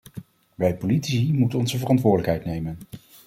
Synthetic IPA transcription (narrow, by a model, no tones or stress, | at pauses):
ʋɛjpolitsimutənɔnzəvərɑntʋʊːɹdələkɦɛjtnejmən